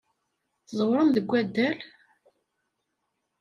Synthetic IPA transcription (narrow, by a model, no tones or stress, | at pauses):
θzˤwɾˤənðəɡʷːæd̪ːæl